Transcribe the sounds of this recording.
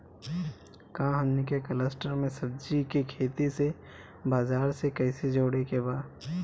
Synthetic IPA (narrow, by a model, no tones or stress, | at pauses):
kãːɦənnikekələsʈəɾmẽsɐb̚d͡ʒikikʰeːt̪ise | baːzaːɾsekɐɪsed͡ʒoːɽekebaːd